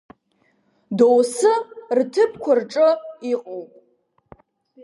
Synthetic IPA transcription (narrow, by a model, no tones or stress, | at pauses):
dowsɨrtʰɨp̚ʰkʷʰarʈ͡ʂʼɨiqʼowpʼ